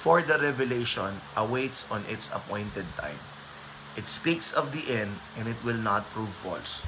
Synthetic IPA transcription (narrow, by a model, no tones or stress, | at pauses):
fɔɹd̪ɐɾɛvɛleʃɔ̃nʔɐwejt̪sɔ̃nʔɪt̪sɐ̰pɔ̃jnt̪ɛd̪̚t̪ʰã̰j̃m | ʔɪt̪spiksɔvd̪iʔɛ̃nd̪ʔɛ̃ndɪt̪̚wɪlnat̪̚pɹuvfɔ̰ls